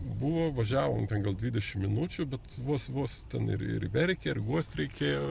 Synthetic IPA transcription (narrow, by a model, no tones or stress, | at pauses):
buʋoːʋɐʒʲæːʋoːmtʲɛnɡɐlˠdʲʋʲiːd̪ʲɛʃʲɪmmʲɪnut͡ʃʲʊbʲɛt̪ʋoɔsʋoɔst̪ʲɛnɪ̰ɾɪ̰ɾʋʲɛɾʲkʲeɪɾɡuɔsʲt̪ʲɾʲɛɪkʲeːjoː